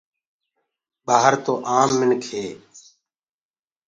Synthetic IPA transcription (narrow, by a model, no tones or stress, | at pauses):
baːɦəɾt̪oːʔaːmːɪnkʰeː